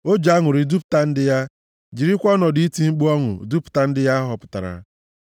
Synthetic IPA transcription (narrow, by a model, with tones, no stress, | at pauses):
o˦d͡ʒaa˦ŋʊ˨ɾɪ˨du˦p̚ta˦n̩˦dɪ˦ja˦ | d͡ʒi˨ɾi˦kʷɔ˦nɔ˨di˦i˦ti˦ŋ͡m̩˦k͡pu˦ɔ˦ŋʊ̰˨du˦pʊ̥˨ta˦n̩˦dɪ˦ja˦ɦɔ˨pʊ̥˨ta̰˨ɾa̰˨